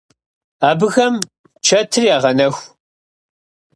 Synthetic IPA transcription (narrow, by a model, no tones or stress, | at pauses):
aːbɨɣɐm | t͡ʃʰɐtʰɨriaːʁɐnɐxʷ